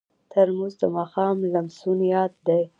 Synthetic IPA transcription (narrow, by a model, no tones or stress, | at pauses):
t̪ʰəɾmuzd̪əmɑxɑmlamsunijɑt̪̚d̪aj